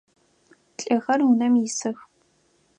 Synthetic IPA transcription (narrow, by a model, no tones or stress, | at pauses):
ɬʼɐɣɐrwʊnɐmjɪsɨx